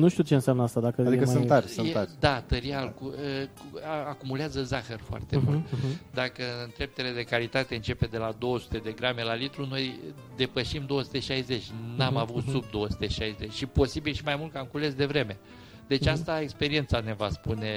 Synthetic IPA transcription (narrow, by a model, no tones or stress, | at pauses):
nuʃt̪iut͡ʃeɨnsjamnəast̪ad̪akəad̪iikəsɨnt̪aɾsɨneaɾd̪at̪əɾialkuə | akumuleazəzaxərfoa̰rt̪emult̪d̪akəɨɨnd̪ɾe̞p̚t̪ele̞d̪e̞kalit̪at̪e̞ɨnt͡ʃe̞pe̞d̪e̞lad̪o̞wəsu̥t̪e̞d̪e̞ɡɾame̞lalit̪ɾuno̞j | d̪e̞pəʃimd̪o̞wəsu̥t̪e̞ʃajze̞t͡ʃʲnamavut̪sub̚d̪o̞wəsu̥t̪e̞ʃajzet͡ʃʲʃipo̞sibilʃimajmult̪kamkule̞sd̪e̞vɾe̞me̞ | d̪̥e̞t͡ʃast̪ae̞kspe̞ɾiensane̞vaspune̞